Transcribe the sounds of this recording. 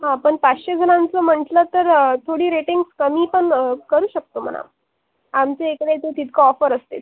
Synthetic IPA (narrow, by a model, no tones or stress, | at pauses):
ɦãpəɳpaɕed͡zʱənãnt͡səm̤əɳʈlət̪əɾt̪ʰoɽiːɾeʈiŋɡskəmiːpəɳkəɾuːɕək̚t̪om̤ə̰na̰ | amt͡seekɽet̪et̪it̪kaɔfəɾəst̪et̪